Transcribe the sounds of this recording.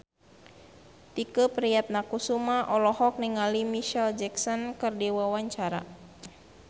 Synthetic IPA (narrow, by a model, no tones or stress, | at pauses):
t̪ikəpɾijat̪̚nakusumaʔɔlɔhɔk̚niŋalimiʃɛld͡ʒɛksɔnkərdiwawaɲt͡ʃaɾa̰